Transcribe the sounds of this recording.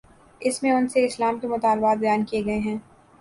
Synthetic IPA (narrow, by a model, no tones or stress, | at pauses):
ɪsmẽʊnseɪslaːmkemʊt̪aːlbaːt̪̚bɐjaːnkijeɡɐeɦɛ̃ː